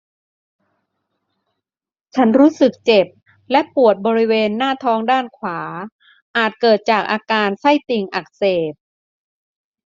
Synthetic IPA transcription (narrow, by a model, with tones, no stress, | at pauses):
t͡ɕʰa˦˥nɾuː˦˥sɯ˨˩k̚t͡ɕe˨˩p̚ | lɛ˦˥ʔpu˨˩ət̪̚bɔː˧ɾi˦˥weː˧nːaː˥˩t̪ʰɔː˦˥ŋdaː˥˩nkʰwaː˩˦ | ʔaː˨˩t̪̚kɤː˨˩t̪̚t͡ɕaː˨˩k̚ʔaː˧kaː˧nsa˥˩jt̪i˧ŋʔa˨˩k̚seː˨˩p̚